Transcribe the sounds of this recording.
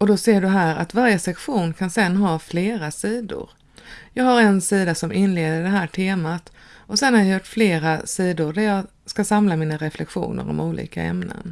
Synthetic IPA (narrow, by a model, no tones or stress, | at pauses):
ɔd̪ɔseːɖɵɦæːɾa̰t̪vaɾjəsɛkɧuːnkʰansɛnːɦɑːfleːɾasiːd̪ʊ̰ɾ | jɑːɡhaɾɛnsiːd̪asɔmʔɪnleːd̪əɖɛɦæːʈʰeːmat̪ | ɔsɛnhaɾjajʊʈːfleːɾasiːd̪ʊɾɖæɾjɑːɡ | skasamlamiːnaɾɛflɛkɧṵːnə̰ɾɔ̰muːlʔḭːka̰ɛ̰mnə̰n